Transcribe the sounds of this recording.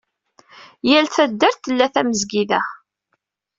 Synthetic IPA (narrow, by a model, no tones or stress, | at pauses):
jælθæd̪ːæɾθəlːæθæməzɡiðæ